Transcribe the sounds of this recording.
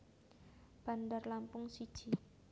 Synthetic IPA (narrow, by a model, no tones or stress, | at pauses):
b̥a̤ndarlampʊŋsid̥ʒ̥i